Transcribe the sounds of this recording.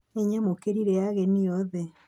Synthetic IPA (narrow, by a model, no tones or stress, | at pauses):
eɲɛmokeɾiɾɛaɣɛniɔðɛ